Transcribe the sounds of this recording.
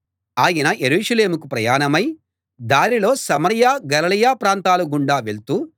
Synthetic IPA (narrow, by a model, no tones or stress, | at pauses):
aːjɐnɐʔe̞ɾuːʂɐle̞ːmukupɾɐjaːnɐmɐj | d̪aːnilo̞ːsɐmɐɾjaːɡɐlɐlɐjaːpɾaːnt̪aːluɡuɳɖaːʋeɭt̪uː